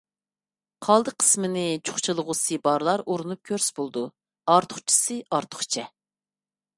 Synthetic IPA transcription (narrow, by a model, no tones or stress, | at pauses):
qʰɑlˠd̪ɨqʰə̥smɨnɪt͡ʃʰo̥χt͡ʃʰilˠəʁʊsɨbɑɾlˠɑɾoɾunup̚kʲʰøɾsbolˠd̪u | ɑɾt̪ʰʊ̥χt͡ʃʰi̥sɨɑɾt̪ʰʊ̥χt͡ʃʰɛ